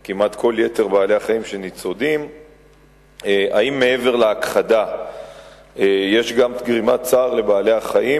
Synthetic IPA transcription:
kimat̪kʰo̞lje̞te̞ʁbaːle̞aχaimʃe̞nit͡so̞d̪im | eʔaimːe̞e̞ve̞ʁleakχad̪a | jeʃɡamɡʁimat͡saːʁle̞baːle̞aχaʔi

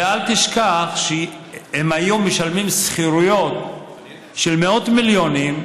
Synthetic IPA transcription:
ealt̪iʃkaχʃe | hemajomːeʃalmimsχiʁujot | ʃelmeo̞t̪miljonim

